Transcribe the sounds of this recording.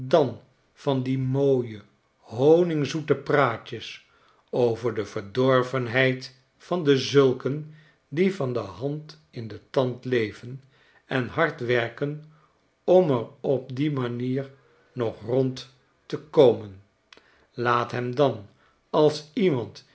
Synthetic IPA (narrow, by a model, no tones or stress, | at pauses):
dɑn | v̥ɑndimoːjə | ɦownɪŋzutəpraːcəs | owvəɹdəvəɹdɔɹvənɦɛjt | fɑndəzɵlˠkən | divɑndəɦɑnt | ɪndətɑntlejvən | ɛnɦɑɹtʋɛɹkən | ɔmərɔp̚dimaniːɹ | nɔχrɔnt | təkowmən | laːtɦɛmdɑn | ɑlˠsimɑnt